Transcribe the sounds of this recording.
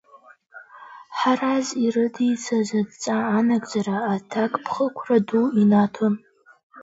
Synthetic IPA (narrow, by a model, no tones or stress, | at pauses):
ħarazirɨdijt͡sʰazɐdt͡sʼaːnaɡʼd͡ʒaraːtʰakʼpʰχəkʷʰraduinatʰom